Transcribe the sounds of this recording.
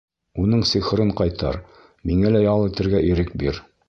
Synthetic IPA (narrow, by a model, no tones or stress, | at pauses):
unɤɴsiχ̆ɾɤɴqɑjt̪ʰɑ̰ɾ | miŋælæjɑlˠĭt̪ɘ̆ɾɡæʔiɾɘk̚biɾ